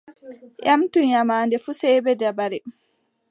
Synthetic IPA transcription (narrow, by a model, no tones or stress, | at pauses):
jʔamtuɲamaːndɛfusɛːbɛdabaɾɛ